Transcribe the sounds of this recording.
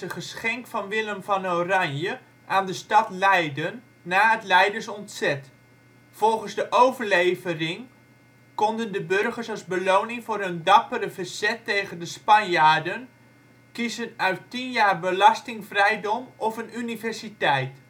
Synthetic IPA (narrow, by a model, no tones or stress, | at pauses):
əχəsχɛŋkfɑnʋɪləmvɑnowrɑnjə | ʔaːndəstɑtlɛjdənː | aːətlɛjdəɹsɔntsɛt | fɔlˠχənzdəʔowvəɹlejvərɪŋ | kɔndəndəbørχəɹsɑzbəlownɪŋvʊːɾəndɑpəɾəvəzɛtːejχəndəspɑnjaːdən | kizənœɥtːinjaːrbəlɑstɪŋvrɛjdɔmɔfənynivɛɹsitɛjt